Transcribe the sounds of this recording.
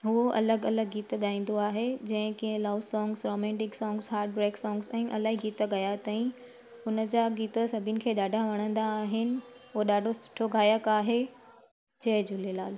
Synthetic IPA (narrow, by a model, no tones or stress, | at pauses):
ɦuɐ̰ləɡɐləɡːiːt̪ɠaːĩːn̆d̪oaːɦed͡ʑɐ̃ɦɪ̃kiɦə̃laːʊsɔ̃ːŋɡzɾoːmɛ̃ːɳʈɪksɔ̃ːŋɡzɦaːɾʈ̚bɾeːksɔːŋɡzɛ̃ːʔɐlaːɦiɡiːt̪əɡɐjat̪ɐ̃ĩ | ʊnəd͡ʑaːɡiːt̪əsɐbʱɪʊnɪ̆kʰeːɗaːɖʱaʋɐɽ̃ə̃nd̪aːɦɪnɪ̆ɦuoɗaːɖʱosɪ̥ʈʰoɡʱaːjəkaːɦe | d͡ʑɐɦd͡ʑʊlelaːl